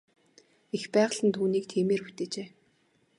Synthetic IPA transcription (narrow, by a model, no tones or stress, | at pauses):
expæːʁə̆ɮə̆nt̪ʰuːniːk̚t̪ʰeːmeːrpu̥t̪eːt͡ɕeː